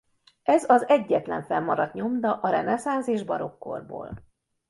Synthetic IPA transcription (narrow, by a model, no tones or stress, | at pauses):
ɛzɒzɛɟːɛt̪lɛɱfɛmːɒɾɒt̪ɲo̞md̪ɒʔɒɾɛnɛsaːnzeːʒbɒɾo̞kːo̞̰rbo̰ːl